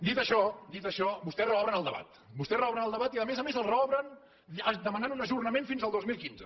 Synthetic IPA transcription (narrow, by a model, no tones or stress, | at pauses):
d̪it̪əʃɔd̪it̪əʃɔbust̪ɛrəɔβɾənəlˠd̪əβa̰t̪ | bust̪ɛsrəɔβɾənəlˠd̪əβat̪iəðəmezəmezəlˠrɔβɾən | əd̪əmənanunəʒurnəmenfinzəlˠd̪ozmilˠkinzə